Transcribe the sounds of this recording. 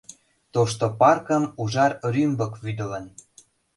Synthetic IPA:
t̪oʃt̪opɑrkə̆muʒɑɾɾymbəkβyd̪ə̆lə̆n

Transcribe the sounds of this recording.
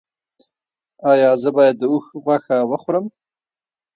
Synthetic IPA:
ɑjɑzəbɑjad̪ːəuxɣwaxawəxʊɾəm

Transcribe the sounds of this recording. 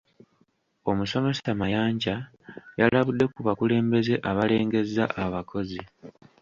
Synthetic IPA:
o̞muso̞me̞samajaːɲɟa | jalaβudːe̞kuβakule̞ːmbe̞ze̞ʔaβale̞ːŋɡe̞zːaʔaβakʰo̞zi

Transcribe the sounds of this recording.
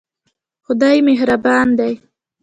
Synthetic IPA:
xʊd̪ɑjmeɦɾabɑnd̪aj

